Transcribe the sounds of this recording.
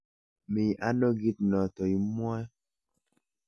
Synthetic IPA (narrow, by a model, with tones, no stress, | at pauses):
mi˨a˦no˦ɡi˦tnɔ˨tɔ˨i˨mɔ˦ɛ˦